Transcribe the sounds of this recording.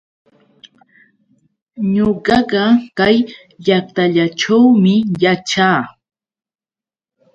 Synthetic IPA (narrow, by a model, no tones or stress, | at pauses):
ɲoɢɑɢɑkaj | ʎak̚t̪aʎaʈ͡ʂawmɪjat͡ʃaː